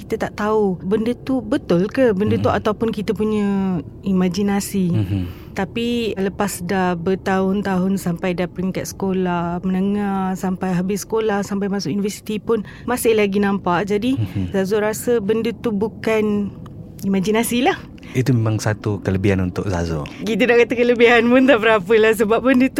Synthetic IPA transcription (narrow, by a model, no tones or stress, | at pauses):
kit̪ət̪aʔt̪aubəndət̪ubət̪ʊlkəbəndət̪uat̪awpʊnkit̪əpuɲə̃imad͡ʒinasi | t̪apiləpasdabət̪aɦʊnt̪aɦʊnsampajdapɾiŋkat̪̚sə̥kolahmənəŋahsampajɦabɪsə̥kolahsampajmãsʊʔjunivəsi̥t̪ipʊn | masɪhlaɡinãmpaʔd͡ʒadizazʊɾasəbəndət̪ubukan | imad͡ʒinasilah | it̪umemaŋsat̪ukələbiɦanunt̪ʊk̚za̰zɔ̰kit̪ənaʔkat̪akələbiɦanpʊnt̪aʔbəɾapəlahs̬əbap̚bəndət̪u